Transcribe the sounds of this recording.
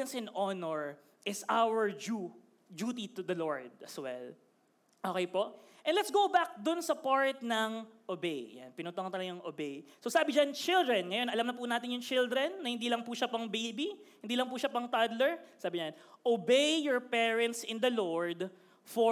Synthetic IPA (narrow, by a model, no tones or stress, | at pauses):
ɐnsɪ̃nʔonoɹ | ʔɪsawəɹd͡ʒu | d͡ʒuːt̪it̪ʊd̪ɐloɹd̪̚ɐswɛ̰l | ʔoːkɛjpoʔʔɛnlɛt̪sɡowbak̚d̪ʊnsɐpaɹt̪nɐŋʔobej̰ja̰npɪnoːt̪oŋɐnt̪ɐlɐɡaŋʔobejsosaːbɪd͡ʒant͡ʃɪld̪ɾɛnŋɐjonʔɐlɐmnɐpʊnaːt̪ɪnjʊŋt͡ʃɪld̪ɾɛnːɐhɪnd̪iːlɐŋpuʃapɐŋbejbihɪnd̪iːlɐŋpuʃapɐŋt̪ad̪lɛɹsaːbɪɲɐnʔobejjɔɹpɛɹɛnt̪sɪnd̪ɐloɹd̪ | fɔ